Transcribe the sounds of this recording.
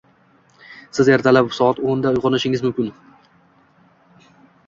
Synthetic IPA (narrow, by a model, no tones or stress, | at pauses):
sɪzeɾt̪ʰalap̚bʊ̥sɒat̪ond̪aʊjʁɑnɪʃɪŋɪzmʊmkʲɪn